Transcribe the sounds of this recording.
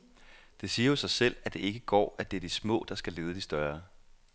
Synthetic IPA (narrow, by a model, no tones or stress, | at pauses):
d̥e̝siːɐo̝sɑ̈ɪsel̰æd̥e̝e̝ɡ̥əɡ̥ɒ̰ːæd̥e̝ɐd̥ismɔ̰̽ːd̥ɑ̈sɡ̥æle̝ːðˠəd̥isd̥ɶɐ